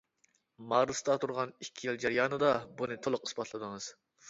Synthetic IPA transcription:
mɑːɾɨst̪ɑt̪ʰuɾʁɑnikʲʰːijilˠd͡ʒæɾijɑːnɨd̪ɑbunɨt̪ʰolˠʊqi̥sbɑt̪lˠɨd̪ɨŋɨz̥

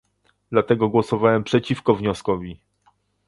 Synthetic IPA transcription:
d̪lat̪ɛɡɔɡwɔsɔvawɛmpʂɛt͡ɕifkɔvɲɔskɔvʲi

